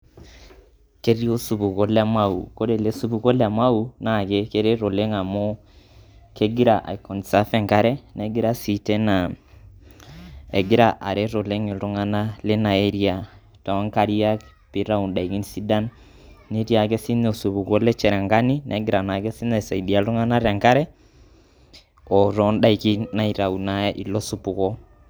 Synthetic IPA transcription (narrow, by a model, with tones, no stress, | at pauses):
ke˦ɾi˦o˦su˨bu˨ko˦la˦ma˦ṵ˨ko˦ɾe˨le˦su˦bu˨ko˦la˨ma˦u˨na˦˨ke˦ke˦ɾe˦ɾo˨le˦ŋa˨mo˦ | ke˦ɡɪ˦ɾa˨ʔa̰˨i˨kɔ˨n˨sa˦fɛ˦˨ŋka˦ɾɛ˦nɛ˦ɡɪ˦ɾa˦si˨tɛ˦na˨ | e˨ɡɪ˦ɾa˦ʔa̰˨ɾe˦ɾo˨le˦ŋɪ˨ɾʊ˦ŋa˦na˦le˦na˨ɛ˦ɾia˨ | ta˨a˦ŋka˦ɾi˦a˦ | pe˨˦ɾa˦u˨nda˨i˨ki˦nsi˦da˦n | ne˦ɾi˦a˨kɛ˦si˦ne˦o˨su˨pu˨kɔ˦lɛ˦t͡ʃɛ˨ɾɛ˨ŋɡa˦ni˦nʔɛ̰˨˦ɡe˦ɾa˨na˨kɛ˦si˦nɛ˨sa˨i˨ɗi˨a˨lo˦ŋa˦na˦ɾa˨ŋka˦ɾɛ˦ | ɔ˨ɾɔ˨˦nda˦i˨ki˦na˦i˨ɾa˨u˨na˦ʔi˨lɔ˦su˨pu˨kɔ˦